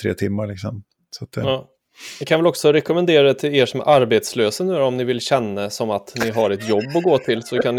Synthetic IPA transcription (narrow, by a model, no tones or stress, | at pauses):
t̪ʰɾḛːt̪ʰɪmːaɭɪksɔm | sat̪̚d̪ɛː | nɪkʰanvɛlɔksɔɾɛkɔmɛnd̪eːɾat̪ʰɪleːʂɔmæ̰ɾʔaɾbeːt̪sløːsənʉ̟ːɾɔmnɪvɪlɕɛnːasɔmat̪nɪɦaɾɛt̪jɔbːɔɡoːt̪ʰɪlsɔkʰanː